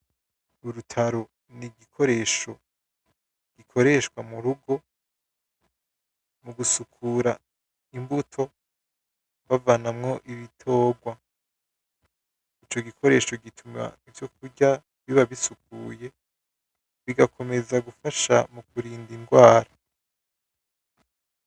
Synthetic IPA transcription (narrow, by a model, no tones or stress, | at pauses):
uɾutʰaɾo̞ | niɡikʰo̞ɾe̞ʃo̞ | ɡ̥ikʰo̞ɾe̞ʃkwamuɾuɡo̞ | muɡusukʰuɾa | imbutʰo̞ | βavanamŋo̞ʔiβitʰo̞ːɡwa | it͡ʃo̞ɡikʰo̞ɾe̞ːʃo̞ɡitʰuma̰ivjo̞kuɟa | βiβaβisukuːje̞ | βiɡakʰo̞me̞zaɡufaʃamukuɾiːndiŋɡwaːɾa